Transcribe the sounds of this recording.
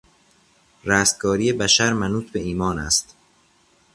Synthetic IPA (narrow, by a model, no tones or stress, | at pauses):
ɾæːst̪̚kɒːɾiːjebæʃæɾmænuːt̪̚ʰbe̞iːmɒːnæ̰st̪